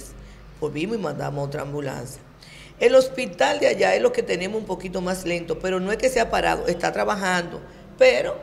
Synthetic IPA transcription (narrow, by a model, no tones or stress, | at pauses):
s | poβimosimãnd̪a̰mosot̪ɾa̰ːmbula̰nsja | e̞lo̞spit̪ald̪eaʝaeslo̞ke̞t̪e̞ne̞mosumpo̞kit̪o̞masle̞nt̪o̞pe̞ɾo̞no̞e̞ske̞seapaɾa̰ðo̞ʔest̪at̪ɾaβaɦand̪o̞̰ | peɾo̞